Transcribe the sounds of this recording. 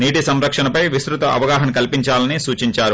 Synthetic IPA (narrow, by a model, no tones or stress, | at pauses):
niːʈisɐmɾɐkʂɐnɐpɐjʋisɾut̪ɐʔɐ̰ʋɐɡaːɦɐnkɐlpiɲt͡ʃaːlɐnisuːt͡ʃiɲt͡ʃaːɾu